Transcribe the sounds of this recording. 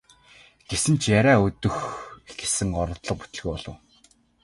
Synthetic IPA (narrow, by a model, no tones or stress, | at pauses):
ɡ̥esɘ̆nt͡ɕʰjaɾʲæːɵt̪ɵ̆xɡesɘ̆ŋɔɾɞ̆t̪ɮə̆q̚put̪ɘ̆ɮɣuːɔɮɞ̆w